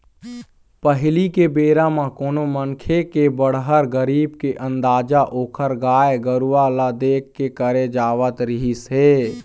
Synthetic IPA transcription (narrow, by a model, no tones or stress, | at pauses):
pəɦɪlikebeːɾamãkoːnomənkʰekebəɽ̤ɦəɾɡəɾiːbkeʔə̃nd̪aːd͡ʒaʔoːkʰəɾɡaːeɡəɾuʋalad̪eːkʰːekəɾed͡ʒaːʋət̪ɾɪɦisɦeː